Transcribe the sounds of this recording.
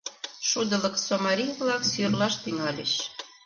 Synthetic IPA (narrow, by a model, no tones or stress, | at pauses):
ʃud̪ə̆lə̆ksomɑɾijβlɑksyrlɑʃt̪iŋɑlḛʃ